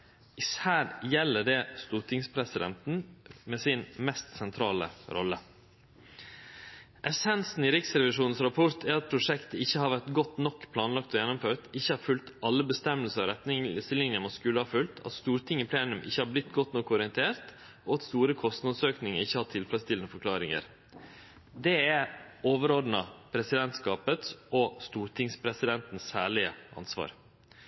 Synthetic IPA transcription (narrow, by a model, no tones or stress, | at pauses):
ɪsæːɾjɛlːəɖɛst̪uːɾʈʰɪŋspʰɾɛsɪd̪ɛ̰nt̪n̩mɛsɪnmɛst̪sɛnt̪ʰɾɑ̰ːlə̰ɾʔɔ̰lːə | ʔɛsɛnsn̩ɪɾɪksɾɛʋɪʂuːnn̩sɾɑpʰʊɾt̪ʰæɾɑt̪̚pʰɾʊʂɛkt̪əɪçːəhɑɾʋæɾt̪ɡɔt̪ːnɔkːpʰlɑːnlɑk̚t̪ɔjɛnɔmføːt̪ɪçːəhɑɾfʉlt̪ɑlːəbəst̪ɛməlsəɾɑɾɛt̪nɪŋslɪnjəmoskʉləhɑɾfʉlt̪ʰɑ̰t̪st̪uːɾt̪ʰɪŋːɪpʰleːnʉmʔɪ̰çːəhɑɾblɪt̪ːɡɔt̪ːnɔkːɔɾɪənt̪ʰeːɾt̪ | ʔɔːɑt̪st̪uːɾəkʰɔst̪nɑd̪søːknɪŋəɾɪçːəhɑt̪ʰɪlfɾɛst̪ɪlnəfɔɾklɑːɾɪŋə̰ɾ | d̪ɛæoːʋəɾɔd̪nɑpʰɾɛsɪd̪ɛnt̪skɑːpət̪sɔst̪uːɾt̪ʰɪŋspʰɾɛsɪd̪ɛnt̪n̩sæːɭɪəʔɑ̰nsʋɑ̰ːɾ